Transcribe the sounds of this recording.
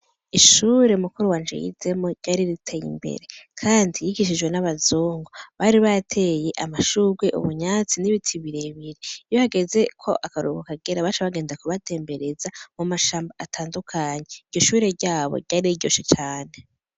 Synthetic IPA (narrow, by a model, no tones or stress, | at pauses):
iʃuɾe̞mukuɾuwaːnd͡ʒḛjḭz̥emo̞ɾɟaɾiɾitʰejḭmbe̞̰ɾe̞kʰaːndijiɡiʃ̬id͡ʒɡwe̞naβazuːŋɡoβaɾiβaatʰe̞je̞ʔamaʃuɡweʔṵβuɲat͡siniβitʰiβiɾeβiɾiijohaɡeze̞kʰo̞̰ʔakaɾuβukaɡeɾaβaːʃeaβaɡe̞ːndakuβatʰe̞ːmbe̞ɾe̞zamumaʃaːmbaatʰaːndukʰaɲeiɾɟo̞ʃuːɾe̞ɾɟaːβo̰ɾɟaɾiiɟo̞ːʃet͡ʃaːne̞